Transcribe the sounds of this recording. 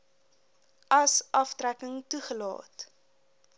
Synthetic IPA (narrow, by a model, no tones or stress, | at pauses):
ɐsʔɐftrækəŋtuχəlɑ̰ːt